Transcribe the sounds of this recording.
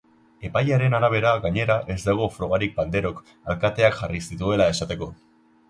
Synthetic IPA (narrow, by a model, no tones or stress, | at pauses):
e̞pajaɾe̞naɾaβ̞e̞ɾaɣaɲe̞ɾaʔe̞zd̪aɣ̞o̞fɾo̞ɣ̞aɾik̚band̪e̞ɾo̞k | alkat̪e̞akxarisit̪ue̞lae̞sat̪e̞ko̞